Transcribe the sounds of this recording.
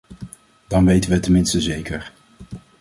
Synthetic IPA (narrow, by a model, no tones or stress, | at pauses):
d̥ɑnʋejtəʋətənmɪnstəzejkəɹ